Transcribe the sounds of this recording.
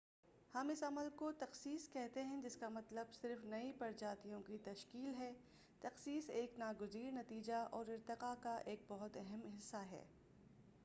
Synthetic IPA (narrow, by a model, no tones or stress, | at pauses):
hɐmɪsɐməlkot̪ɐqsiːskɛɦt̪eɦɛ̃d͡ʒɪskamɐt̪ləbsɪɾfnɐipɐɾd͡ʒaːt̪ijõkit̪ɐʃkiːlɦɛː | t̪ɐqsiːseːknaːɡʊziːɾnɐt̪iːd͡ʒaʔɔːɾɪɾt̪ɪqakaʔeːk̚bɔɦʊt̪ɛɦɛmɦɪsːaɦɛ̰ː